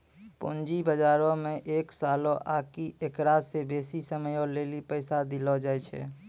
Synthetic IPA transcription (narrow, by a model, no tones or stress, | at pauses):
põ̰ːnd͡ʒibəd͡ʒaːɾõmeʔeksalɔ̃ʔakiekɾasebesisəməjɔ̃lelipəɪsad̪ilɔd͡ʒaɛt͡ʃʰɛ̰